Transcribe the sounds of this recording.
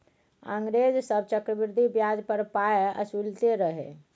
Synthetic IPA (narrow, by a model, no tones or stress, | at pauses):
ə̰̃ŋɡɾed͡ʒsəb̚t͡ʃəkɾəbiɾd̪ʱibjad͡ʒpəɾpaeə̰sult̪eɾəɦḛ